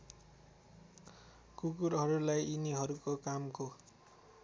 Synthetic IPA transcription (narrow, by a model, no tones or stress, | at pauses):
kukuɾɦʌɾulajiniɦʌɾukokamko